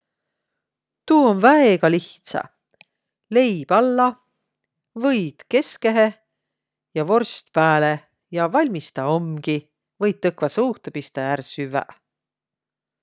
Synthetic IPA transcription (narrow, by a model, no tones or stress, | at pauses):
t̪uːonvæeɡ̥ɑliht̪sɑ̰ | le̞jb̥ɑlːɑ | vɤjd̪̥ke̞ske̞ɦe̞ | jɑvo̞rst̪pæːle | jɑvɑlʲmist̪ɑomɡ̥i | vɤjt̪̚ːɤkvɑsuːht̪epist̪ɑjærsyvæ̰